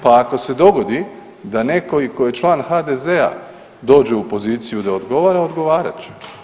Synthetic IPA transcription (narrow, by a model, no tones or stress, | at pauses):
paːko̞se̞d̪o̞ɡo̞d̪i | d̪ane̞ko̞ikojjet͡ʃlˠaːnxad̪eze̞a̰ | d̪o̞ːd͡ʑeupo̞ziːt̪sijud̪ao̞d̪ɡo̞ʋaːɾaod̪ɡo̞ʋaːɾa̰t͡ʃu̥